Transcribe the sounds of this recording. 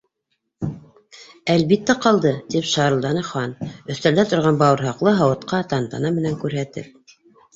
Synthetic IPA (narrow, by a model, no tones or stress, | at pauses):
ælβit̪ːæqɑlˠd̪ɤt̪ipʃɑɾɤld̪ɑnɤχɑnɵ̆θt̪æld̪æt̪ŏɾʁɑnbɑwɤ̆ɾɦɑqlˠɤɦɑwɤ̆t̪qɑt̪ɑnt̪ɑnɑmɘ̆næŋkʉɾɦæt̪ɘ̰p̚